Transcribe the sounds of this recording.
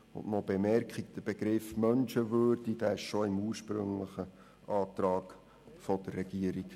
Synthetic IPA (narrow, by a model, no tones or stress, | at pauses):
ʊ̰nʔnɔb̥emɛɾkχik̚d̥əb̥eɡɾɪfmœnʃəʋøːɾdid̥æːɪʃʃoɪmuːrʃpɾɵ̰ŋləχə | ʔɑːt̪rɑːɡ | fɔd̥̪ərːɛɡ̥iəɾik